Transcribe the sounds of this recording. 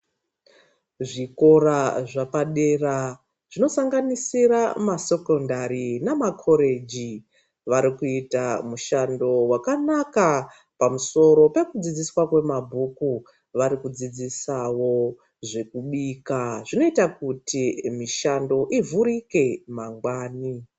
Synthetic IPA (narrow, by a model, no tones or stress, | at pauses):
ʐiko̞ɾaʐapaɗera | ʐ̥ino̞saŋɡanisiɾamase̞ko̞ndaɾinamakʰo̞ɾe̞d͡ʒi | ʋaɾikuitamuʃando̞wakanaka | pamuso̞ɾo̞pe̞kud͡zid͡ziswakwe̞mabʱuku | ʋaɾikud͡zid͡zisawo̞ | ʐe̞kuɓiːkaʐino̞itakutʰimiʃando̞ʔivuɾike̞maŋɡwaːni